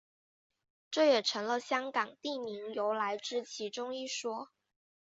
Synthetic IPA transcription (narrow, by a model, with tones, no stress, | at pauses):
ʈ͡ʂɤ˥˩jɛ˨˩ʈ͡ʂʰɤ˧˥ŋlə˧ɕjɑ˥ŋkɑ˨˩ŋt̪i˥˩mi˧˥ŋjo˧˥ʊla˧˥ɪʈ͡ʂɻ̩˥t͡ɕʰi˧˥ʈ͡ʂʊ˥ŋi˥˩ʂwɔ˥